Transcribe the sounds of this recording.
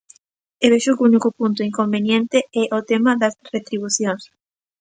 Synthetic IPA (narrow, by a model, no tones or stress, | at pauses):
eβeʃokunikʊpunt̪ʊiŋkombenjent̪eɛʔot̪emɐðɐsret̪ɾiβ̞uθjoŋs